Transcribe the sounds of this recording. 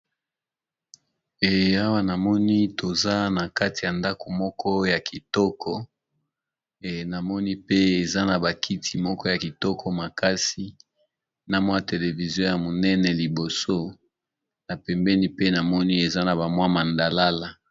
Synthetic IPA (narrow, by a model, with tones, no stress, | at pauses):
e˨a˦wa˦na˨mɔ˦ni˦to˨za˦na˨ka˦ti˨ja˨nda˦ko˨mɔ˦kʰɔ˦ja˨kʰi˨tɔ˦kʰɔ˦˨ | na˨mɔ˦ni˦pe˦e˨za˦na˨ba˨kʰi˦tʰi˨mɔ˦kɔ˦ja˨ki˨tɔ˦kʰɔ˦ma˨ka˦si˦ | na˨mwa˦a˨te˨le˨vi˨zjɔ̃˦ja˨mo˨nɛ˦nɛ˨li˨bo˨so˦ | na˨pɛ˨mbɛ˦ni˦pe˦na˨mɔ˦ni˦e˨za˦na˨ba˨mwa˦ma˨nda˨la˦la˨